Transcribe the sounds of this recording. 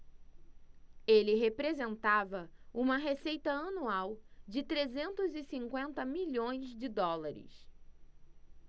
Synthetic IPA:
elɪɦepɾezẽnt̪avɐũmɐɦesejt̪ɐɐnuawd͡ʒɪt̪ɾezẽnt̪ʊzɪsĩŋkwẽnt̪ɐmiʎõj̃zd͡ʒɪd̪ɔlaɾɪ̰s

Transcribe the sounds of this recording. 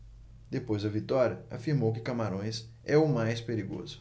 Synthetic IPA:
d̪epojzd̪ɐvit̪ɔɾiɐa̰fiɾmowkɪkamaɾõj̃s | ɛʊmajspeɾiɡo̰zʊ

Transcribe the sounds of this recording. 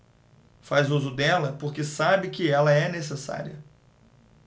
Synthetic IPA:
fazuzʊd̪ɛlɐpoɾkesabɪkɪɛlɐɛnesesa̰ɾiɐ

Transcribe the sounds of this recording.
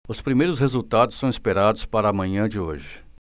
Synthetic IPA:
ʊspɾimejɾʊshezuwt̪ad̪ʊsːɐ̃w̃ispeɾad̪ʊspaɾɐaːmɐ̃ɲɐ̃d͡ʒɪo̰ʒɪ

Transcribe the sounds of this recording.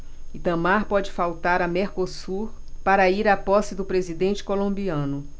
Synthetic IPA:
it̪ɐ̃maɾpɔd͡ʒɪfawt̪aɾɐmeɾkosuɾ | paɾɐiɾapɔsɪd̪ʊpɾezid̪ẽnt͡ʃɪ̥kolõmbiɐ̃nʊ

